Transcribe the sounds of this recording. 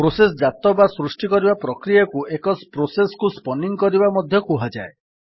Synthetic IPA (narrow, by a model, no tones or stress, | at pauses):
pɾoses̬ɔd͡ʒat̪ɔbasɾusʈikɔɾibapɾɔkɾijakuʔekɔspɾosesɔ̥kuspɔniŋkɔɾibamɔd̪ʱjɔkuɦad͡ʒae